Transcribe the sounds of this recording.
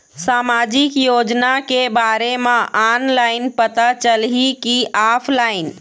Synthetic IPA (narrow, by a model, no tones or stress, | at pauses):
saːmad͡ʒikjoːd͡ʒnakebaɾemãʔanlaɪnpət̪at͡ʃəlɦikiaːpʰlaːɪn